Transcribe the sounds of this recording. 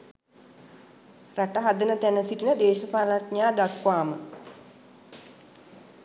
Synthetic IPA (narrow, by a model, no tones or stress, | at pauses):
raʈəɦad̪ənət̪ænəsiʈinəd̪eːʃəpaːlaʈɲaːd̪akʋaːmə